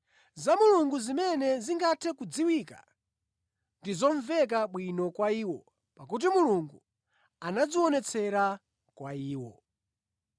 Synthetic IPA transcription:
zamuluŋɡuzimɛnɛziŋɡatʰɛkud͡ziwika̰ | ndizɔɱvɛk̬aɓwinɔkwaiːwɔ | pakut̬imuluŋɡu | anad͡ziɔnɛt͡sʰɛɾa | kwaiːwɔ̰

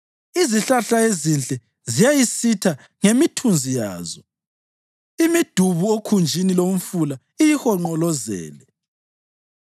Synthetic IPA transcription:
iziɬaɬaezint͡ɬʼɛ | zijajisitʰa | ŋemitʰund͡zʱija̰ːzɔ | imid̥ʱuβuokʰund͡ʒʱinilom̩fula | ijihɔŋ͡ǃɔlɔzɛ̰ːlɛ

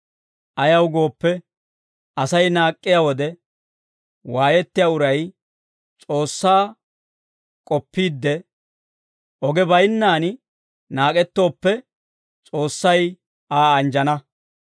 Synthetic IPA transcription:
ʔɐjɐwɡo̞ːpːɛ | ʔɐsɐjnaːkʼːɪjawɔd̪ɛ | waːjɛt̪ːɪjaːʊɾɐj | t͡sʼo̞ːsːaː | kʼɔpːiːd̪ːɛ | ʔɔɡɛbɐjnːaːn | naːkʼɛt̪ːo̞ːpːɛ | t͡sʼo̞ːsːɐj | ʔaːɐnd͡ʒɐnɐ

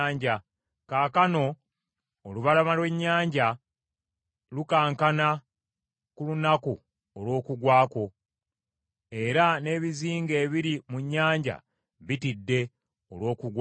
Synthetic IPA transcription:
ɲɟa | kaːkano̞ː | luβalamalwe̞ɲːaːɲɟa | lukaːŋkana | kulunaku | olwo̞ːkuɡwaːko̞ | e̞ɾane̞ːβiziːŋɡe̞ːβiɾimuɲːaːɲɟa̰ | βitidːe̞ | olwo̞ːkuɡw

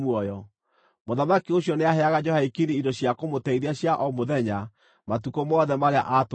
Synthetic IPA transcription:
mwɔjɔ | moðamakioɕjɔneaɦɛaɣad͡ʒɔhaikiniidɔɕjakomotɛiɾiaɕjaʔɔmoðɛɲa | matukomɔːðɛmaɾea̰ʔat

